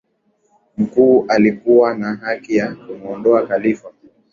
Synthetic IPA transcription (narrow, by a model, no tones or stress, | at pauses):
m̩kuːʔalikuwanaɦakijakumɔndɔakalifa